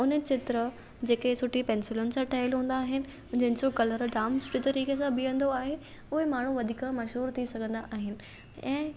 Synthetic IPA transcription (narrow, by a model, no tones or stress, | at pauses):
ʊnət͡ɕɪt̪ɾə | d͡ʑeːkesʊʈʰipɛ̃ːnsɪlʊnɪ̆sãʈʰɐɦɪlɦũːn̆d̪aːɦɪnɪ̆ | d͡ʑɐ̃ɦɪnd͡ʑokɐləɾɖaːmsʊ̥ʈʰit̪ɐɾiːkes̬ãbɪə̃n̆d̪oaːɦe | ʊɦemaːɳ̤uʋɐd̪ʱiːkãmɐʃɦuːɾt̪ʰisɐɡʱə̃nd̪aʔaːɦɪnɪ̆ | ɛ̃ː